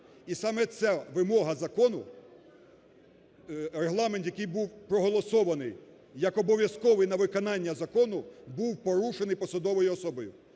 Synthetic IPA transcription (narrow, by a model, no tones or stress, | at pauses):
isɑmɛt̪sɛʋɪmɔɦɐzɐkɔnʊ | ɾeɦlˠɑment̪jɐkɪjbuwpɾɔɦɔlˠɔsɔʋɐnɪj | jɐkɔbɔʋʲjɐskɔʋɪjnɐʋɪkɔnɑnʲːɐzɐkɔnʊbuwpɔɾuʃenɪjpɔsɐd̪ɔʋɔjʊɔsɔbɔjʊ